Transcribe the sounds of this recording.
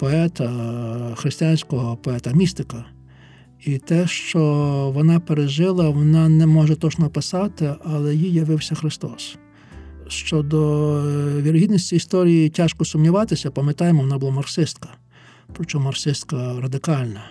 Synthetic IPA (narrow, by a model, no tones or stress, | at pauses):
pɔɛt̪ɐxɾɪsʲt̪ʲijanʲsʲkɔɦɔpɔɛt̪ɐmʲist̪ɪkɐ | it̪ɛʃt͡ʃɔʋɔnɑpeɾeʒɪlˠɐʋɔnɑnɛmɔʒɛt̪ɔt͡ʃnɔpɪsɑt̪ɪɐlˠɛjijɐʋɪwsʲɐxɾɪst̪ɔs | ʃt͡ʃɔd̪ɔ | ʋʲiɾɦʲid̪nɔsʲt͡sʲiist̪ɔɾʲijitʲaʃkɔsʊmnʲiʋɑt̪ɪsʲɐpɐmet̪ɑjemɔʋɔnɑbʊlˠamɐrsɪst̪kɐ̥ | pɾɔt͡ʃɔmɐrsɪst̪kɐɾɐd̪ɪkɑlʲnɐ